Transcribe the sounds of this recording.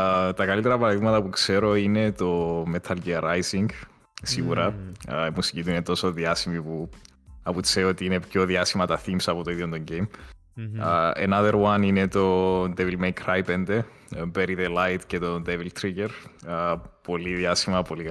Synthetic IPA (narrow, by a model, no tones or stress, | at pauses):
t̪ɐkɐlit̪eɾɐpɐɾɐðiɣmɐt̪ɐpukse̞ɾo̞ine̞t̪o̞met̪ʰɐlɟiɐɾajsiŋɡ | siɣuɾɐimusicit̪uinet̪o̞so̞ðiɐsimipu | ɐpuseo̞t̪iːne̞pço̞ðiɐsimɐt̪ɐθimsɐpo̞t̪o̞iðjond̪o̞ɲɟejm | ḛnɐðeɾwɐnine̞t̪o̞nd̪evilmejkɾajpe̞nd̪e̞ | beɾiðelajt̪ce̞t̪o̞nd̪evilt̪ʰɾiceɾ | po̞liðiɐsimɐpoli